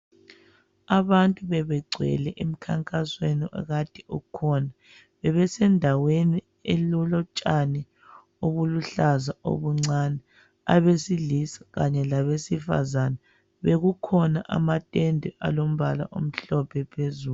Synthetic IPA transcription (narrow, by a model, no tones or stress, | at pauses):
aβantʼuβɛβɛɡ͡ǀʱwɛ̰lɛʔem̩kʰaŋkʼasweniʔɔ̰ɣatʰʼiukʰɔna | βɛβɛsɛndʱaweni | elulɔt͡ʃʼanɛ | oɣuluɬazao̰βuŋ͡ǀanɛ | a̰βesilisḁɣaɲɛlaβesifa̰zana | βeɣukʰɔnaʔa̰matʼɛndʱɛʔa̰lom̩βala̰ʔom̩ɬɔpʰɛpʰezuːl